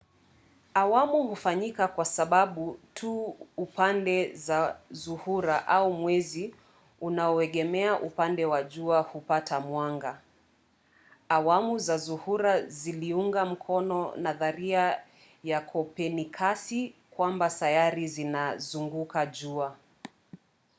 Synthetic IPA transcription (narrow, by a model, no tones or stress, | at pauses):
awamuhufaɲikakwasaɓaɓutʰuːpandɛzazuhuɾaʔaumwɛzi | unaɔɛɠɛmɛaʔupandɛwaʄuahupatʰamwaŋɡa | wamuzazuhuɾaziliuŋɡam̩kʰɔnɔnaðaɾia | jakʰɔpɛnikʰasikwambatajaɾizinazuŋɡukaʄua